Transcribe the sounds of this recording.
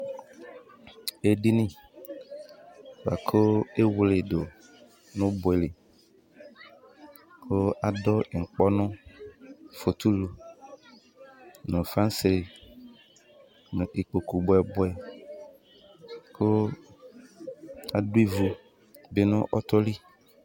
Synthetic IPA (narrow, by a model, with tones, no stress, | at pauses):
e˨ɖi˦nĩ˦ | wa̰˨kʰo˦e˦wle˨do˨ | nʊ̃˦bʊ˨ɛ˨le˨ | kʰo˦a˨dɔ˦˨ŋ̩˨k͡pɔ˦nʊ̃˦ | fo˨t̪u˦lo˨ | nʊ̃˨fã˦n˦se˨e˨ | nʊ̃˨ʔe˨k͡po˨ku˨bʊ˨ɛ˨bʊ˦ɛ˨ | kʰo˦ | a˨du˦i˦vu˨ | be˦nʊ̃˦ʔɔ˦t̪ɔ˦li˦